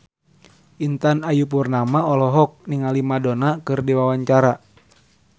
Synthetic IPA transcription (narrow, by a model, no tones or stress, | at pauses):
ʔint̪anajup̬urnamaɔlɔɦɔk̚niŋalimadɔnakɨrdiwawaɲt͡ʃaɾa